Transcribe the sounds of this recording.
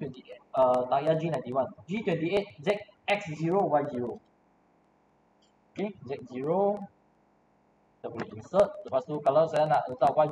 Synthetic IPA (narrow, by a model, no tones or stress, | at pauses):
twɛ̃nt̪iet̚ət̪ajad͡ʒinãj̃t̪iwãnd͡ʒit̪wɛ̃nt̪iet̪̚zɛk̚ | ɛksziɹowanziɹo | okezɛk̚ziɹo | dəbɔliʔĩnsət̪̚dəpast̪ukalawsajanaʔlət̪akã